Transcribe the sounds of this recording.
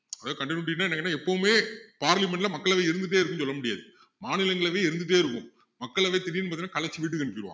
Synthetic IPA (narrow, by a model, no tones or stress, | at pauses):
ɐðaːkɐɳɖɪnːʈːɪnːaːɛnɐkːɛnːaːɛpːɐʋmeːpaːɾlɪmɛɳɖlɐmɐkːɐɭɐʋeːɪɾɯnd̪ɯʈ̬ːeːɪɾɯkːɯnsɔlːɐmʊɽɪja̰ːðɯ | maːnɪlɐŋɡɐɭɐʋeːɪɾɯnd̪ɯʈ̬ːeːɪɾɯkːɯ̃m | mɐkːɐɭɐʋeːt̪ɪɾɪjɪnɯpɐːðɪnaːkɐɭɐt͡ʃːɯʋiːʈːɯkɐɳɖɯkːɪɾɯʋa̰ː